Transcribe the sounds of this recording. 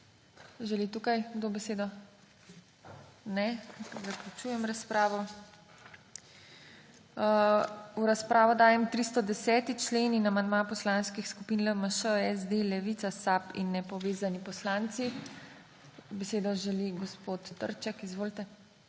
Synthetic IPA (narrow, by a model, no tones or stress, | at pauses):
ʒɛlit̪ukajɡd̪obɛseːd̪ɔ | nɛzaklʲut͡ʃuːjɛmɾaspɾaːʋɔ | uɾaspɾaːʋɔd̪aːjɛmt̪ɾist̪ɔd̪ɛsɛːt̪it͡ʃleninamand̪mapɔslanskixskupinləməʃəɛsd̪elɛʋit̪sasapḭnːɛpɔʋeːzanipɔslant̪si | bɛseːd̪ɔʒɛliɡɔspot̪ːə̰ɾt͡ʃɛkizʋoːlt̪ɛ